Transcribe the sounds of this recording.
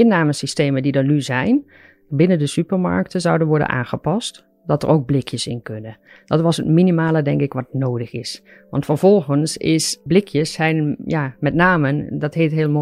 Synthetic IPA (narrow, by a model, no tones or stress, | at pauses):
ɪnːaːməsisteːmədidənyzɛjn | bɪnəndəsypəɹma̰ɹk̚təzʌwdənʋɔɹdə̰nʔa̰ːnɣəpɑst | dɑtə̰rowɡ̚blɪkʰjəsɪ̰nkønə | d̥ɑtʋɑsətminimaːlˠədɛŋkɪkʋɑtnoːdəxɪs | ʋɑ̰ntfərv̥ɔlˠɣənsɪ̰sblɪkʰjəsːɛjnjaːmɛtnaːməndɑtɦeːtɦɪːlˠmo